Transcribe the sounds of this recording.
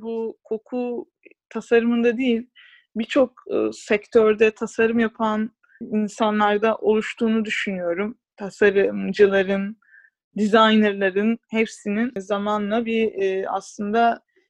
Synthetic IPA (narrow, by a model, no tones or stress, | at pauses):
bukʰo̞kʰu | t̪ʰasaɾɯmɯnd̪ad̪ijilʲ | bit͡ʃʰo̞kːsɛkt̪ʰøɾd̪ɛt̪ʰasaɾɯmjapʰan | insanlˠaɾd̪aʔo̞lˠuʃt̪ʰuːnud̪yʃynyjo̞ɾum | t̪ʰasaɾɯmd͡ʒɯlˠaɾɯn | d̪izajnɛɾlˠaɾɯnhɛpsininzamanlˠabia̰slˠɯnd̪a